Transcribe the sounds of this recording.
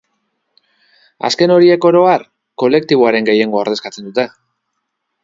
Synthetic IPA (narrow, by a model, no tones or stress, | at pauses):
a̰ske̞no̞ɾie̞ko̞ɾo̞ar | ko̞le̞kt̪iβoaɾe̞ŋɡe̞je̞ŋɡo̞aɾðe̞skat͡se̞nd̪ut̪e̞